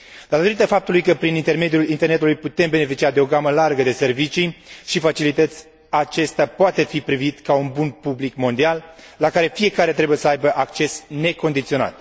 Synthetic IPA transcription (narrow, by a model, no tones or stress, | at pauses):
d̪at̪o̞ɾit̪əfap̚t̪ulujkəpɾinint̪e̞rme̞d̪iulint̪e̞rne̞t̪ulujput̪e̞mbe̞ne̞fit͡ʃiad̪e̞o̞ɡaməlarɡəd̪e̞se̞rvit͡ʃiʃifat͡ʃilit̪ət̪sʲ | at͡ʃe̞st̪eapoat̪e̞fipɾivit̪kaunbunpublikmo̞nd̪ialː | akaɾe̞fije̞kaɾe̞t̪ɾe̞buje̞səajbəʔakt͡ʃe̞sne̞ko̞nd̪it̪sio̞na̰t̪